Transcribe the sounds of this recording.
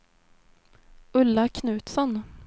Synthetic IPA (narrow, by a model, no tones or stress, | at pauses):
ɵlːakʰnʉːt̪sɔn